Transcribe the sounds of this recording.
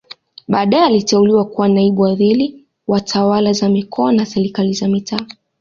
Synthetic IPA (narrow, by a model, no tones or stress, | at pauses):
ɓaːɗajɛalitɛuliwakuwanaiɓuwaðili | watʰawalazamikʰɔanasɛɾikalizamitʰaː